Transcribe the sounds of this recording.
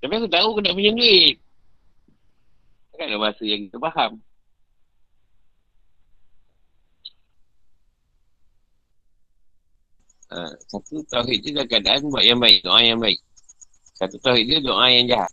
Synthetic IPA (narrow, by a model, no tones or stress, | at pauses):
t̪apiakut̪aukədaʔpəd͡ʒand͡ʒui | akaʔdaʔbaasəjaŋkit̪upaɦam | ə̰sat̪ut̪aɦit̪̚dədakəadaʔanbuaʔ̪jaŋbaik̚do̰ʔajaŋbaɪk̚ | sat̪ut̪awɦit̪̚diədoʔãjaŋd͡ʒaɦa̰t̪̚